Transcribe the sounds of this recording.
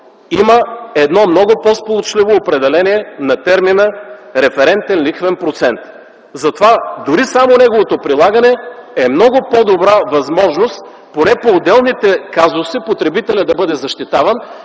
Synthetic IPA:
iməɛd̪nɔmnɔɡʊpɔspolˠot͡ʃlivoːpɾɛd̪ɛlɛniɛnɐt̪ɛɾminəɾɛfɛɾɛnt̪ɛnlixvɛnpɾot̪sɛnt̪ | zɐt̪ovad̪ʊɾisamonɛɡovot̪opɾilˠaɡɐnɛɛmnɔɡʊpɔd̪obɾavɐzmɔʒnost̪ | ponɛpoːd̪ɛlˠnit̪ɛkazʊsipot̪ɾɛbit̪ɛlʲəd̪ɐbɤd̪ɛzɐʃt̪it̪avɐn

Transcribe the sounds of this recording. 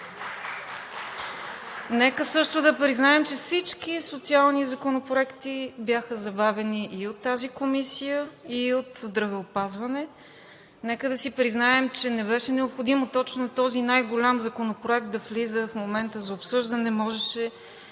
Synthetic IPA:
nɛkəsɤʃt̪ʊd̪ɐpɾiznaɛmt͡ʃɛfsit͡ʃkisot̪sialˠnizɐkonopɾoɛkt̪ibjaxəzɐbavɛniʔiot̪ːazikomisijəiot̪zd̪ɾɐvɛopazvɐnɛ | nɛkəd̪ɐsipɾiznaɛmt͡ʃɛnɛbɛʃɛnɛopxod̪imot̪ɔt͡ʃnot̪ɔzinajɡolʲamzɐkonopɾoɛk̚t̪̚d̪ɐflizəfmomɛnt̪əzɐopsɤʒd̪ənɛmɔʒɛʃɛ

